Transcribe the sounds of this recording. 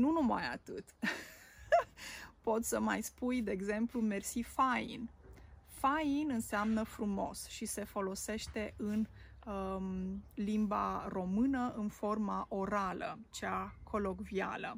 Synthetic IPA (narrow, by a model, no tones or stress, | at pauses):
nunuma̰ja̰t̪ɨt̪ | po̞t̪səma̰jspujd̪e̞ːɡze̞mplume̞rsifaḭnfainɨnseamnəfɾumo̞̰sʃise̞fo̞lo̞se̞ʃt̪e̞ʔɨn | limba̰ro̞mɨnəʔɨnfo̞rmaʔo̞ɾalə̰t͡ʃeakʰo̞lo̞ɡvia̰lə